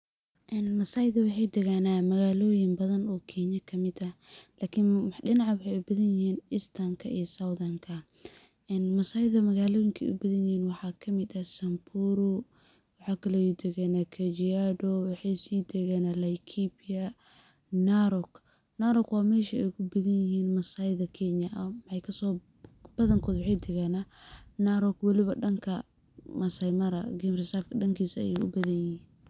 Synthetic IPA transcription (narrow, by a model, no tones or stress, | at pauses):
ʔɛːnmɐsaːjðɐwɑħɑjd̪ɛɣanaːmɐɣaːlɔːjɪŋbɐðɐnɔːkʰɛɲɐkʰɐmɪd̪ɐlaːkʰɪnɗɪnɑʕɑwʊħɑjɛbɐðɐnjɪhiːnɪst̪ʰamkʰɐʔḭːsɐwðɐŋkʰɐ | ɛːnmɐsaːjðɐmɐɣaːlɔːjɪŋkʰɐ̰ʔʊ̰bɐðɐnjɪhiːnwɑħɑːkʰɐmɪd̪ɐsɐmpʰuːɾʊwɑħɑːkʰɐlɛd̪ɛɣɐnakʰɐd͡ʒiadɔwɑħɑjsiːd̪ʰɛɣɛːnalajkʰipiɐ | naɾɔknaɾɔkwɑːmɛːʃɐɛjkʰʊbɐðɐnjɪɦiːnmɐsajðɐkʰɛɲɐʔɐmħɛjkʰɐsɔːb̥ɐðɐŋkʰɔːd̪wħɛjt̪ʰɛɣɛnanaɾɔkwɐlɪβɐɖɐŋkʰɐmɐsɐjmɐɾɐ̰ɡɪmrɪsaːfkʰɐɖɐŋkʰiːsɐɐ̰jḛʊ̰bɐðɐnjɪhiːn